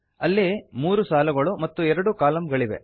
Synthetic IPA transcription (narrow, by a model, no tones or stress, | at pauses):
ɐlːimuːɾusaːlɐɡɐɭumɐt̪ːuɛɾɐɽukaːlɐmɡɐɭiʋḛ